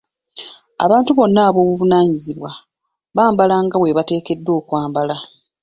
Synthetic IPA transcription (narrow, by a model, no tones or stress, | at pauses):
a̰βaːntuβo̞nːaːβo̞ːβuvunaːɲiziβwa | βaːmbalaŋɡawe̞βate̞ːke̞dːo̞ːkwaːmbala